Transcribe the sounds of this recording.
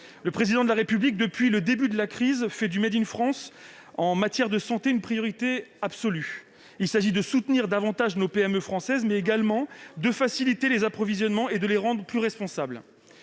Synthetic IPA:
ləpχezid̪ɑ̃d̪əlaʁepyblik̚d̪əpɥiləd̪ebyd̪əlakχizfɛd̪ymɛd̪infχɑ̃sɑ̃mat̪jɛʁd̪əsɑ̃t̪eynpχijɔʁit̪eabsɔly | ilsaʒid̪əsut̪niʁd̪avɑ̃t̪aʒnopeɛmøfχɑ̃sɛzmɛeɡalmɑ̃d̪əfasilit̪elezapχɔvizjɔnmɑ̃ed̪əleʁɑ̃d̪ʁəplyʁɛspɔ̃sabl

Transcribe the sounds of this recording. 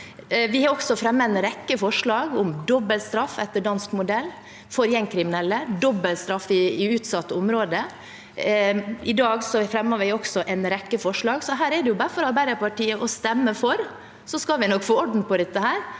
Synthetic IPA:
ʋɪhɑɾɔksɔfɾɛmːəɛnɾɛkːəfɔʂɭɑːɡʊmd̪ɔbəlst̪ɾɑfːɛt̪ːəɖɑnskmʊd̪ɛlː | fɔɾjɛŋkʰɾɪmɪnɛlːəd̪ɔbːəlst̪ɾɑfːɪɪʉːt̪sɑt̪ːəʊmɾoːd̪ə | ɪd̪ɑːɡsɔfɾɛmːəʋɪɔksɔʔɛnɾɛkːəfɔʂɭɑːɡsɔɦæːɾɛɖɛjʊbɑːɾfɔɾɑɾbæɪɾəpɑʈiːəʔɔst̪ɛmːəfɔɾ | sɔskɑʋɪnɔkfoːɔɖn̩pɔd̪ɛt̪ːəhæːɾ

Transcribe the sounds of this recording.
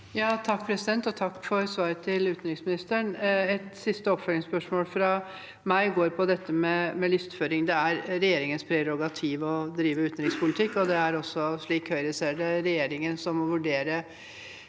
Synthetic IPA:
jɑːt̪ʰɑkːpʰɾɛsɪd̪ɛnt̪ɔt̪ʰɑkːfɔɾsʋɑːɾət̪ʰɪlʉːt̪nɾɪŋsmɪnɪst̪əɳɛt̪sɪst̪əɔpfœlɪŋspœʂmoːlfɾɑ | mæɪɡoːɾpʰɔd̪ɛt̪ːəmɛmɛlʏst̪føːɾɪŋd̪ɛæɾɾɛjeːɾɪŋənspʰɾɛɾɔɡɑt̪ʰiːʋɔd̪ɾiːʋəʉːt̪nɾɪŋspʰʊlɪt̪ʰɪkːɔd̪ɛæɾɔsːɔʂɭiːkhœʏɾəseːɖɛɾɛjeːɾɪŋənsɔmɔʋʉɖeːɾə

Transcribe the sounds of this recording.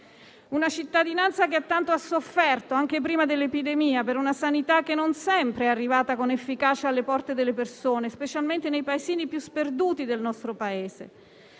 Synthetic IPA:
unat͡ʃit̪ːad̪inant̪sakeat̪ːant̪oasːofːɛrt̪oaŋk̟epɾiːmad̪elːepid̪emiːapeɾunasanit̪akːenːonsɛmpɾeɛarːivaːt̪akonefːikaːt͡ʃaalːepɔrt̪ed̪elːepersoːnespet͡ʃalment̪enejpaeziːnipjusperd̪uːt̪id̪elnɔst̪ɾopaeːzḛ

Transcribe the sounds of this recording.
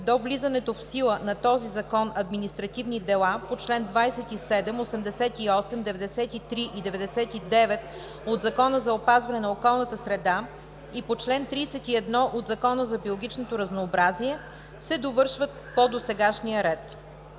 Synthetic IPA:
d̪ovlizɐnɛt̪ofsilˠənɐt̪ɔzizɐkɔnɐd̪minist̪ɾɐt̪ivnid̪ɛlˠapot͡ʃlɛnd̪vajsɛt̪isɛd̪ɛmosɛmd̪ɛsɛt̪iɔsɛmd̪ɛvɛd̪ɛsɛt̪it̪ɾiʔid̪ɛvɛd̪ɛsɛt̪id̪ɛvɛt̪ | od̪zɐkɔnəzɐopazvɐnɛnɐokɔlˠnət̪əsɾɛd̪a | ipot͡ʃlɛnt̪ɾiːsɛt̪iɛd̪nɔʔod̪zɐkɔnəzɐbiolˠoɡʲit͡ʃnot̪oɾɐznoːbɾaziɛ | sɛd̪ovɤɾʃvət̪̚pod̪osɛɡaʃnijəɾɛt̪

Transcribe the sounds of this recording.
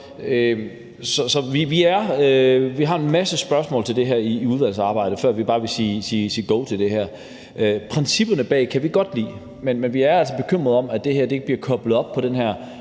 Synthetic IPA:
ø | sɒ̽sɒ̽ʋiʋiæɐʋiɦɑ̈e̝nmæsəsb̥ɶɐsmɔ̰lt͡sʰe̝ld̥e̝ɦæɐ̰iːuð̞ˠʋæl̰sɑ̈ːb̥ɑ̈ɪ̰ɾ̥əfɶɐ̰ʋib̥ɑ̈ːʋe̝siːsiːsiːɡ̥oʊt͡sʰe̝ld̥e̝ɦæɐ̰ | ʔøpʰʁɛnsib̥ɐnəb̥ɛ̰ːkʰæʋiɡ̥ɒ̽d̥lḭː | menmenʋiæɐæl̰sɒb̥e̝kʰøm̰ʁɐðˠɒ̽mæd̥e̝hæɐ̰de̝e̝ɡ̥əb̥liɐkʰɒ̽b̥l̩ð̩ˠɒ̽b̥pʰːɒ̽dɾenɦæɐ̰

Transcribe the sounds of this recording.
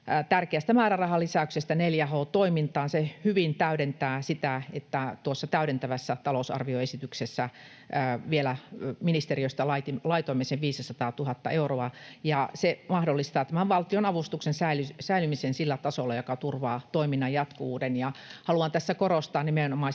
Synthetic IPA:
t̪ærkeæst̪æmæːrærɑhɑlisæyksest̪æneljæhoːt̪oimint̪ɑːnsehyʋint̪æyɾent̪æːsit̪æet̪ːæt̪uosːɑt̪æyɾent̪æʋæsːæt̪ɑlousɑ̰rʋioesit̪yksesːæ | ʋielæminist̪eriøist̪ɑlɑit̪ilɑit̪oimeseʋʋiːssɑt̪ɑːt̪uhɑt̪ːɑ̰euroɑjɑsemɑhdolːist̪ɑːt̪æmæʋʋɑlt̪ionɑʋust̪uksensæilysæilymisensilːæt̪ɑsolːɑjokɑt̪urʋɑːt̪oiminːɑjɑt̪koʋuːdenjɑhɑluɑnt̪æsːækorost̪ɑːnnimenomɑˑ

